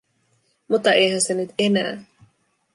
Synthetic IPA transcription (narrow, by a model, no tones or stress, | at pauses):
mut̪ːɑejhænsenyt̪enæː